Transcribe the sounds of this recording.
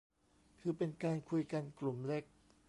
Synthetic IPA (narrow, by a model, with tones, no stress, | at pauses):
kʰɯː˧pe˧nkaː˧nkʰu˧jka˧nklu˨˩mle˦˥k̚